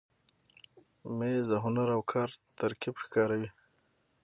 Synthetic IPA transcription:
mezaɦʊnaɾawkʰɑːɾt̪aɾkibxkɑːɾawi

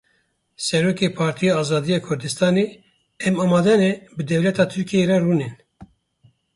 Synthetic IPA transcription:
sɛɾoːkepʰɑːɾt̪ʰijɑɑːzɑːd̪ijɑːkʰʊɾd̪ɨst̪ɑːne | ɛmɑːmɑːd̪ɛnɛbɨd̪ɛwlɛt̪ʰɑːt̪ʰɨɾkʰijeɾɛruːnen

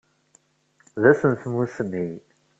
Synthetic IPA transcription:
ðæsənθmusmij

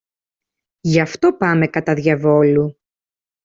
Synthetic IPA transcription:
ʝɐft̪o̞pɐme̞kɐt̪ɐðʝɐvo̞lu

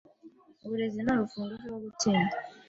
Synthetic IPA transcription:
oβuɾezinolufuːnduzwoːβutiːnda

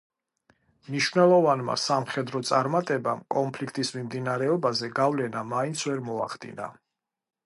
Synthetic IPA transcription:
mniʃwvnɛlˠɔvanma̰samχɛd̪ɾɔt̪sʼaɾmat̪ʼɛbamkʼɔnpʰlikʰt̪ʼismimd̪inaɾɛɔbazɛɡavlɛnamaint̪sʰvɛɾmɔaχd̪ḭna̰

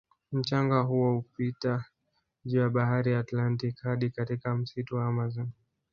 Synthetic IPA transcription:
m̩t͡ʃaŋɡaɦuwɔupita | ʄujaɓahaɾijaːtlantikhaɗikatikam̩situwaamazɔn

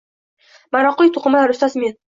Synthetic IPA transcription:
maɾɒqʊjt̪ʰoqɨmalaɾʊst̪azmen

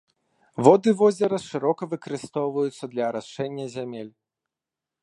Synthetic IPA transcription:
vɔd̪ɨvɔzʲɛɾɐʂɨɾɔkɐvɨkɐɾɨst̪ɔwvɐjut̪sːɐd̪lʲɐɾaʂt͡ʂɛnʲːɐzʲamʲelʲ

